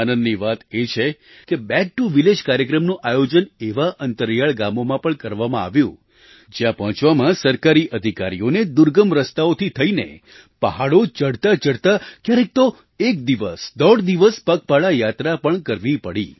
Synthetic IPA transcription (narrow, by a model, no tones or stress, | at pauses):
anənːiʋat̪et͡ʃʰe | kebɛk̚ʈuʋiled͡ʒkaɾjəkɾəmnũʔajod͡ʒəneʋaʔənt̪əɾjaɭɡamomãpəɳkəɾʋamãa̰ʋjṵ̃ | d͡ʒjãpɔɦɔ̃t͡ʃʋamãsəɾkaɾiʔəd̪ʱikaɾijoned̪uɾɡəmɾəst̪aot̪ʰit̪ʰəinḛ | pəɦaɭot͡ʃəɽt̪at͡ʃəɽt̪akjaɾek̚t̪o | ek̚d̪iʋəsd̪əɽd̪iʋəspək̚paɭajat̪ɾapəɳkəɾʋipəɽi